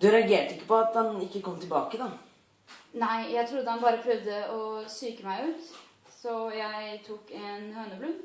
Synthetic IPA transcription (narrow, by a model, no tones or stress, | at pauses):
d̪ʉɾɛɑɡeːʈəɪkːə̥pɔɑt̪dɑnɪkːəkʰɔmːt̪ʰɪlbɑːkəd̪ɑ | næɪjæɪt̪ʰɾʊd̪ːəhɑnbɑːɾəpʰɾœʋd̪əɔsyːkəmæɪʉːt̪ | sɔjæɪt̪ʰuːkɛnhøːnəblʉː